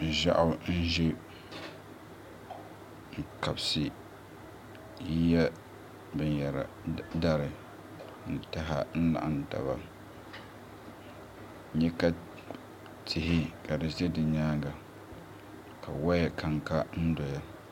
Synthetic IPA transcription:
ʒa̰˦ʔʊ˦n̩˦ʒɪ˦ | ŋ̩˨ka˨bsɨ˨ | ji˦ja˦ | bɨ˨nja˨ɾa̰˨da˦ɾɪ˨ | n̩˨ta˦ɦa̰˦n̩˦la̰˨ʔa˨n˨ta̰˨ba̰˨ | ɲɛ˦ka˦ | tʰɪ˨hɪ˦ka˨dɨ˨zɛ˦dɨ˨ɲaː˦ɡa˨ | kʰa˨wa˦ja˨kʰa˨ŋka˦n̩˦dɔ˨ja˦

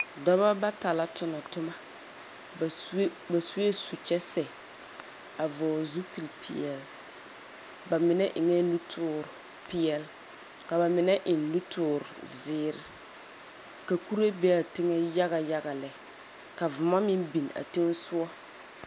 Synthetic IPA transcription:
dɔ˦βa˦ba˦ta˨la˦tʊ˦nɔ˨tʊ˦ma˦˨˦ | ba˨su˦e˦su˨t͡ʃɛ˦sɛ˨ | a˨vɔ˨zu˦pi˨lpʰɪ̰˨ɛ˨l | ba˨mɪ˨nɛ˦ʔɪ˨ŋɛ˦lu˦tʰʊː˦˨ɾʊ˨ | pɪ˦ɛ˨l | ka˨ba˨mɪ˨nɛ˦ʔɪ˨n˦lu˦tʰʊː˨ɾʊ˨zɪː˨˦ɾɪ˨ | ka˨ku˦ɾa˦be˦a˨tɪ˦ŋɛ˦ja˦ɣa˨ja˦ɡa˨lɛ˨ | ka˨vʊ˨ma˦mɪ˦mbi˨n˨a̰˨te˦n˦sʊ˦ɔ˦

